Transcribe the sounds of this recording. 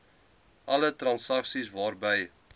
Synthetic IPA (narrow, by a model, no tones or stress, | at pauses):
ʔɐlətrɐnsɐksisvɑːrbəj